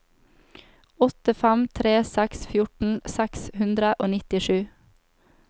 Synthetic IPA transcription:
ɔt̪əfæmt̪ʰɾeːsæksfjʊʈn̩sækshʉnd̪ɾəʔoːnɪt̪ɪʃʉː

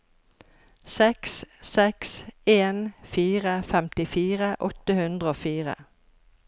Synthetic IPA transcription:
sɛkssɛkseːnfiːʁəfɛmt̪ɪfiːʁəʔɔt̪əhʉnd̪ʁəoːfiːʁə̰

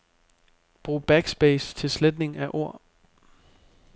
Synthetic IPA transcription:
b̥ʁṵːb̥æɡ̥sb̥ɛːst͡sʰe̝lsled̥ne̝ŋæʔo̝ɐ̰

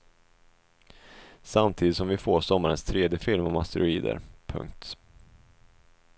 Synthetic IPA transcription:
samt̪ʰiːd̪ɪt̪sɔmvɪfoːsɔmːaɾənst̪ʰɾeːd̪jəfɪlmɔmast̪əɾʊiːd̪ə̰ɾpʰɵ̰ŋk̚t̪

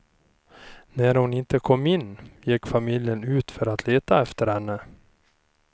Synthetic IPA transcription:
næɾhʊnɪnt̪əkʰɔmːɪnːjɪkːfamɪljənʉ̟ːt̪fœɾat̪ʰleːt̪aɛft̪əɾhɛnːə

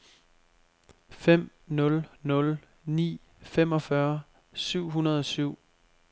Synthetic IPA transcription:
fem̰ | nɔ̽lnɔ̽l | nḭː | fem̰ɒ̽fɶɐ | syʊ̰ɦunɐð̞ˠɒ̽syʊ̰

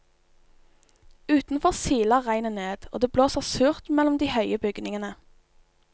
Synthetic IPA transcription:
ʉːt̪n̩fɔʁsiːləʁæɪnəneːd̪̥o̰ːd̪eːbloːsəʁsʉːʁt̪mɛlɔmd̪iːhœʏəbʏɡnɪŋənə

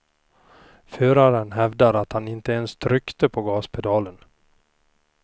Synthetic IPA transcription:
føːɾaɾənɦɛvd̪aɾat̪hanɪnt̪əɛnst̪ʰɾʏkt̪əpʰɔɡɑːspʰɛd̪ɑːlən

